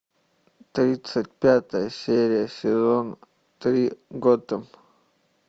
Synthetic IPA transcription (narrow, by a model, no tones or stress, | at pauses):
t̪ɾʲit̪sət̚ʲpʲat̪əjəsʲeɾʲɪjəsʲɪzon | t̪ɾʲiɡod̪əm